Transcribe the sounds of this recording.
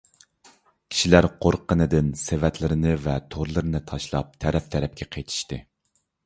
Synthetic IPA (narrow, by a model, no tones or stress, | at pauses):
kʲʰi̥ʃilæɾqʰoɾqːənɨd̪ɪnsevɛt̪lɪɾɪnɪvɛt̪ʰoɾlˠɨɾɨnɨt̪ʰɑʃlˠɑ̰p̚t̪ʰɛɾɛp̚t̪ʰɛɾɛp̚kʲʰɛqʰejt̪ʰi̥ʃt̪ɨ